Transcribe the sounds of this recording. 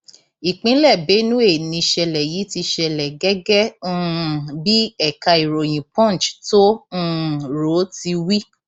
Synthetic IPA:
i˨k͡pĩ˨˦lɛ˦˨be˨˦nũ˦e˦˨nĩ˧ʃɛ˧lɛ˨ji˨˦ti˧ʃɛ˧lɛ˨ɡɛ˦ɡɛ̃˦˨ | bi˦ɛ˦˨ka˧i˨ɾo˨j̃ĩ˨pɔ̃˦˨n˨t͡ʃtõ˦˨ | ɾo˨˦ti˧wi˦

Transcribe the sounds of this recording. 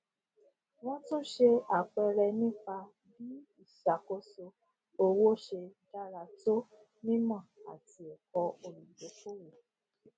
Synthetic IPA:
w̃ɔ̃˦tũ˦ʃe˧a˨k͡pɛ˧ɾɛ˧nĩ˦k͡pa˧ | bi˦i˦˨ʃa˨ko˦so˧ | o˧wo˦ʃe˧da˦ɾa˧to˦ | nĩ˦mã˦˨a̰˨ti˨˦e˨kɔ˧o˨lũ˨bo˨˦ko˦wo˨

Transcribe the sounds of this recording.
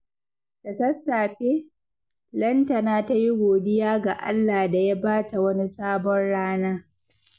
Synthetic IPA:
kɐ˨sɐ˦saː˨ɸeː˦ | lɐ˦ntɐ˨naː˦ta˦ji˦ɡʷoː˨dɪ˦jaː˦ɡa˨ʔa̰˦lːaː˨da˨ja˦baː˦ta˨wɐ˦ni˦saː˦bɔ˦nɽaː˦naː˦

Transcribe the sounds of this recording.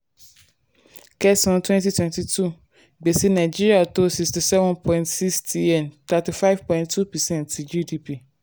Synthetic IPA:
kɛ˦sʊ̃˦n˦tʰwɛ̃˦nti˦tʰwɛ̃˨nti˨tʰu˦ | ɡ͡be˨si˦nã˨ɪ˨d͡ʒi˦ɾi˨a˨to˦si˨ksti˨sɛ˦vɔ̃˦npʰɔ̃˨ĩntsi˦kstʰi˦ɛ̃˨nt̪a˨ti˨fa˦ɪv̥pʰɔ̃˨ĩnttʰːu˦pɛ˨sɛ̃˦ntd͡ʒi˦di˦pʰi˦˨

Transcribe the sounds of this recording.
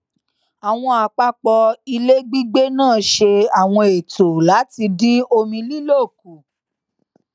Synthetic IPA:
a˨w̃ɔ̃˧a˨k͡pa˦k͡pɔ˧i˧le˦ɡ͡bi˦ɡ͡be˦nãː˦˨˦ʃe˧a˨w̃ɔ̃˧e˨to˨la˨˦ti˧dĩ˦o˧mĩ˧li˦lo˦˨ku˨

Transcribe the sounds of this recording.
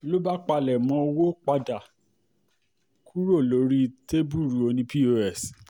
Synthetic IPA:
lo˦ba˦k͡pa˧lɛ˨mɔ̃˧˦˧wo˦k͡pa˧da˨ | kʰu˦ɾo˦˨lo˨˦ɾi˦te˦bu˦˨ɾu˨o˧nĩ˧pi˦o˧ɛ˦˨s

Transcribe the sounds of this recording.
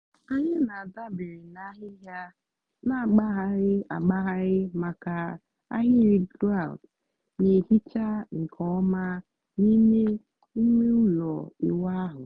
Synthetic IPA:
a˦ɲɪ˦na˨a˨da˦bɪ˨ɾi˨na˦ɦɪ˦ɦja˦ | na˦a˨ɡ͡ba˦ɦa˦ɾɪ˦a̰˨ɡ͡ba˦ɦa˦ɾɪ˦ma˨ka˨ | a̰˦ɦɪ˦ɾi˦ɡɾa˦˨ld | ne˨hi˦t͡ʃa˦ŋ̩˨kʰɔ˦ma˦ | ni˦me˦ | i˦me˦u˦lɔ˨ḭ˨wa˦ɦʊ˨

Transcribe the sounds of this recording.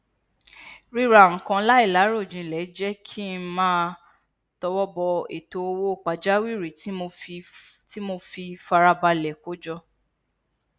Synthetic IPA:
ɾi˦ɾa˨ŋ̩˨kã˧la˦i˦˨la˨˦ɾo˦˨d͡ʒĩ˨lɛ˨˦d͡ʒɛ˦kʰi˦mãː˦ | tɔ˧wɔ˦bɔ˧ḛ˨to˧o˧wo˦˨k͡pa˨d͡ʒa˦wi˦˨ɾe˨˦o˧ | ti˦mo˧fi˧fa˧ɾa˧ba˧lɛ˨ko˨˦d͡ʒɔ˧

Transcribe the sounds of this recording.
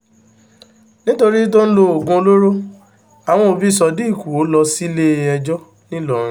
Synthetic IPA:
nĩ˦to˧ɾi˦dõ˦n̩˦lo˧o˨ɡõ˧o˧lo˦ɾo˦ | a˨w̃ɔ̃˧o˧bi˦˨sɔ˧di˦i˦˨ku˨o˨˦lɔ˧si˦le˦˧˨ɛ˧d͡ʒɔ˦ | nĩ˦lɔ˨ɾ̃ĩ˨˦

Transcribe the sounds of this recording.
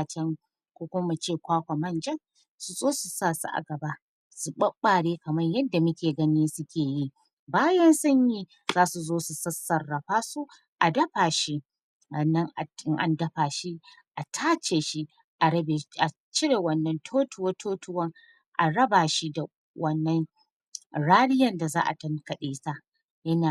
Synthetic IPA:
t͡ʃɛ˦ŋ | kʷoː˦kʷʊ˦mɐ˦mɐ˨t͡ʃeː˦˨kʷaː˦kʷa˨mɐ˦nd͡ʒɐ˦ŋ | su˨zʼoː˦su˨saː˦˨su˦ʔa̰˨ɡɐ˨ba˦ | su˨ɓɐ˦ɓːaː˨ɽeː˦kɐ˨mɐ˦ɲjɐ˦dːa˨mʊ˦kʲeː˨ɡɐ˦niː˦sʊ˦kʲeː˨ji˦ | baː˦jɐ˦nsɐ˦ɲjiː˦ | zaː˦su˨zoː˦su˨sɐ˦sɐ˨rːɐ˨ɸaː˦su˦ | ʔa˨dɐ˦ɸaː˨ʃi˦ | wɐ˨nːɐ˦ŋʔa˨ɪ˦ŋʔa̰˨ndɐ˦ɸaː˨ʃi˦ | ʔa˨tʰaː˦t͡ʃeː˨ʃi˦ | ʔa˨ɽɐ˦be˨ʔa˨ | t͡ʃɪ˦ɽeː˨wɐ˦nːɐ˦ntʰoː˦tʊ˦woː˦tʰoː˦tʊ˦wɐ˦ŋ | ʔa̰˨ɽɐ˦baː˨ʃi˦da˨ | wʔɐ˦nːɐ˦ŋ | ɽaː˦nɪ˦jɐ˨nda˨za̰ː˦ʔa̰˨tɐ˦ŋkɐ˨ɗeː˨sa˦ʔ | jɐ˦naː˨

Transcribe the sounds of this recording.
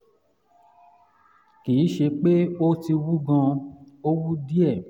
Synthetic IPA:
kiː˨˦ʃe˧k͡pe˦o˦ti˧wu˦ɡã˧ | o˦wu˦di˦ɛ˦˨

